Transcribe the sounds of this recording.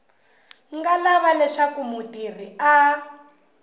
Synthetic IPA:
ŋɡalaβalɛʂakumutir̤ia

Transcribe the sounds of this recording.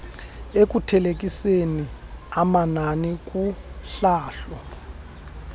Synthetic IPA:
ek̬ʼutʰɛlek̬ʼiseniamananik̬ʼuɬaːɬɔ

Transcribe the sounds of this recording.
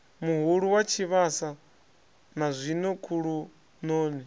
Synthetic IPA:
muɦuɺuwat͡ʃʰiβasa | nazʷinɔkʰuɺu | nɔːnɛ

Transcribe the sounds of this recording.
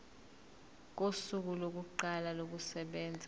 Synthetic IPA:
k̬osuk̬ulok̬uǃalalok̬usɛɓɛːnd͡zʱa

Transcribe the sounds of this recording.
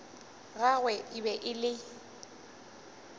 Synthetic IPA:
ɣaɣwɛʔɪbɛʔɪlɪ

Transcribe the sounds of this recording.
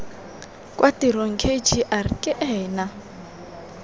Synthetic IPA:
kʼwʔatiɾoŋ̩kʰet͡ʃʰiʔarikʼɪʔɛːna

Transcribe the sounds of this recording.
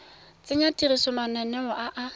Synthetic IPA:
t͡sʼɪɲatʼirisɔmanɛnɛʊʔaʔa

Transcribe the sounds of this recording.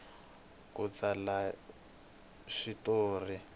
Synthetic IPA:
kut͡sala | ʃitoːri

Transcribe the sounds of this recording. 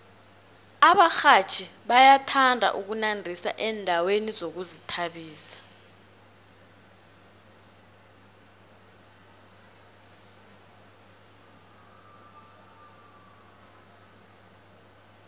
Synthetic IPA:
aɓaxat͡ʃʰiɓajatʰandʱa̰ʔuk̬unandʱisa̰ʔɛndʱawenizok̬uzitʰaɓiːsḁ

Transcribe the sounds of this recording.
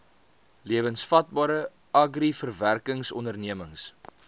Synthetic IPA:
liəvənsfɐt̚bɑːɾə | ʔɐɡrifərværkəŋsɔndərniəməŋs

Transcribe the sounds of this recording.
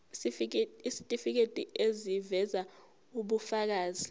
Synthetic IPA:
isitʼifik̬etʼiezivɛza | uɓufak̬aːzi

